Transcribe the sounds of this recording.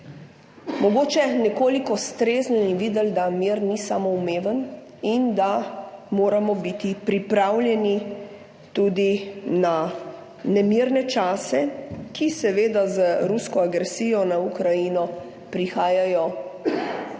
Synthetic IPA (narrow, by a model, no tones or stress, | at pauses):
mɔɡoːt͡ʃɛnɛkoːlikɔst̪ɾeːznɔinʋid̪əld̪amiɾnisamɔumeːʋən | ind̪amoːɾamɔbit̪ipɾipɾawljɛni | t̪uːd̪ina | nɛmiɾnɛt͡ʃaːsɛkʰisɛʋeːd̪azəɾuskɔaɡɾɛsiːjɔnaukɾajinɔ | pɾixaːjajɔ